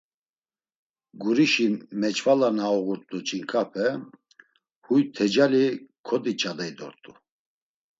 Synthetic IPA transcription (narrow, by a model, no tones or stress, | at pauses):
ɡuɾiʃimɛt͡ʃʼvalanaɔɣuɾt̪ʼut͡ʃʼiŋkʼapʰɛ | hujt̪ʰɛd͡ʒalikʰɔd̪it͡ʃʼad̪ɛjd̪ɔ̰ɾt̪ʼu